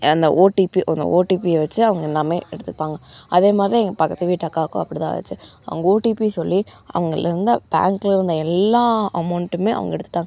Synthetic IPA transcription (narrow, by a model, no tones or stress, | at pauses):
ɐnd̪ɐ̰ʔoːʈipiʔɐnd̪ɐ̰ʔoːʈiːpiʋɐt͡ʃːɯɐʋɐŋɡɐɛnːaːmeːɛ̰ɽɯt̪ːɯpːaːŋɡɐɐðeːmaːd̪ɾiɛŋɡɐpɐkːɐt̪ːɯʋiːʈɐkːaːkʊ̰̃ɐpːɐɽit̪ã̰ːʋɐ̰t͡ʃːɯɐ̰ʋɐŋɡɐoːʈiːpisɔlːiʔɐ̰ʋɐŋɡɐɭlɐɾɯnd̪ɯb̥a̰ːŋklɪɾɯnd̪ɐɛlːaːɐmɐʊɳʈɯmeːʔɐ̰ʋɐ̰ŋɡɐɛɽɯt̪ːɯ̥ʈːaːŋɡɐ